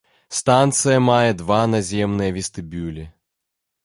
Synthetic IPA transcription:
st̪ant̪sɨjɐmajɐd̪vanazʲemnɨjəvʲɪst̪ɨbʲylʲɪ

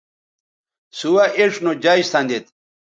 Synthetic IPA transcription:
suwaʔeʂnod͡ʑaist̪and̪et̪

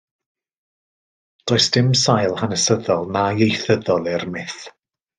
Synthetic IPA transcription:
d̥oɨsd̥ɪmsajlˠhanəsəðɔlˠnajejθəðɔlˠɪrmɪθ

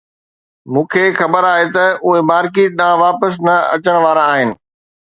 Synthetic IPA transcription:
mũːkʰexɐbəɾaːɦet̪ɐʊɦemaːɾkeːʈ̚nãʋaːpəs̬nɐɐ̰t͡ɕəɽ̃ʋaːɾaːɦɪnɪ̆

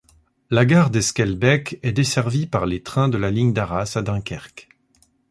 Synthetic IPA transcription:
laɡaʁd̪eskʲɛlbɛkɛd̪esɛʁvipaʁlet̪χɛ̃d̪əlaliɲd̪aʁasad̪ɛ̃kʲɛʁk

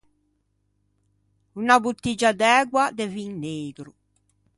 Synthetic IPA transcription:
unabut̪ːid͡ʒad̪ɛːɡwad̪ɛviŋneːɡɾu

